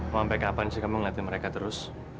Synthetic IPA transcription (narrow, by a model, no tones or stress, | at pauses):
mampɛkapansikamiŋlat̪iməɾekat̪əɾʊs